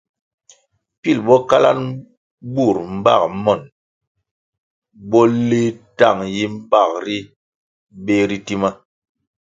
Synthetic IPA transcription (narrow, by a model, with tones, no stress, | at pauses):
pi˦˨lbɔ˦ka˦la̰˦n | bu˦˨ɾm̩˦ba̰˦˨k̚mɔ˨n | bɔ˦le˦ta˦˨ŋji˦m̩˦ba˦˨k̚ɾi˦ | be˦ɾi˦ti˦ma˦